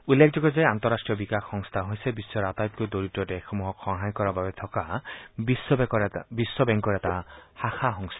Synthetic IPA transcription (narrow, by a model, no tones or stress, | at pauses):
ulːekʰd͡ʒɔɡɔzeant̪ɔɾasʈɹijɔbikaxːɔŋst̪ʰaɦojsebisːɔɾat̪ajp̚kojd̪oɹitɔdexɔmuɦɔkxɔɹɦajkɔɹababet̪ʰɔkabisːɔbkɔbisːɔbɛŋkɔɾɛtahaxʰaxɔŋst̪ʰḁ